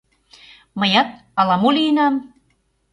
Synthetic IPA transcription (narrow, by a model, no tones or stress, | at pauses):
mɤjɑt̪̚ | ɑlɑmulinɑm